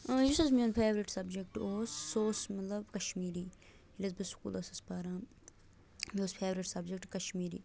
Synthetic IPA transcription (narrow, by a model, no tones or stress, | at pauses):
d͡ʒɪsɐzmiɐnpʰeːʋɾɪʈsɐbd͡ʒekʈoːsːoːsmɐt̪lɐbkɐʃmiːɾiː | ɪʈɐzbɪsu̥kṵːlɐsɐspaːɾãːm | bioːzpʰeːʋɾɪʈsɐbd͡ʒek̚ʈkɐʃmiːɾḭː